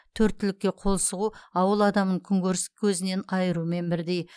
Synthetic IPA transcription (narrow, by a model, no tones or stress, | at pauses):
t̪ʰɵɾt̪ːɪlɪkʲːe̞qʰo̞lˠsəʁuɑwəlˠɑd̪ɑməŋkʲʰʏŋɡʲøɾɪskʲʰɵzɪne̞nɑjəɾume̞nbɪɾd̪e̞j